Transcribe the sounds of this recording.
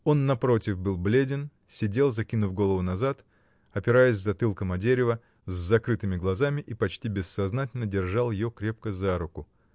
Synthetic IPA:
o̞nːɐpɾo̞tʲɪfbɨlˠblʲedʲɪn | sʲɪdʲe̞lˠzɐkʲinʊfɡo̞lˠəvʊnɐzat̪ | ɐpʲɪɾajɪsʲzɐt̪ɨlˠkəmɐdʲeɾʲɪvə | zːɐkɾɨt̪ɨmʲɪɡlˠɐzamʲɪʔipɐt͡ɕtʲibʲɪsːɐznatʲɪlʲnədʲɪrʐɑlˠjɪjokɾʲe̞p̚kəzaɾʊkʊ

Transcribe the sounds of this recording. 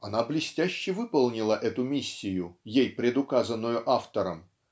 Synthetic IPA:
ɐnablʲɪsʲtʲæɕːɪvɨpəlˠnʲɪlˠəʔɛt̪ʊmʲisʲːɪjʊjejpɾʲɪd̪ʊkazənːʊjʊʔaft̪əɾəm

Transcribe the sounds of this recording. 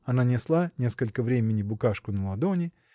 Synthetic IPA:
ɐnanʲɪslˠanʲe̞skəlʲkəvɾʲemʲɪnʲɪbʊkaʂkʊnəlˠɐd̪onʲɪ

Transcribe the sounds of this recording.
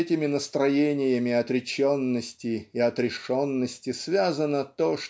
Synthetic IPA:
ɛtʲɪmʲɪnəst̪ɾɐjenʲɪjəmʲɪɐt̪ɾʲɪt͡ɕonːəsʲtʲɪiɐt̪ɾʲɪʂonːəsʲtʲɪsvʲazənət̪oʂ

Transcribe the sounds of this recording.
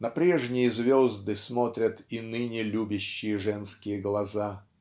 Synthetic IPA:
nɐpɾʲeʐnʲɪjəzvʲozd̪ɨsmot̪ɾʲət̪inɨnʲɪlʲubʲɪɕːɪjəʐɛnskʲɪjəɡlˠɐza

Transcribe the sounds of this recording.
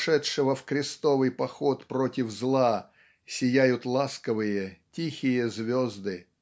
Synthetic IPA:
ʂɛtʂɨvəfkɾʲɪst̪o̞vɨjpɐxot̪pɾotʲɪvzlˠa | sʲɪjæjʊt̪lˠaskəvɨjətʲixʲɪjəzvʲozd̪ɨ

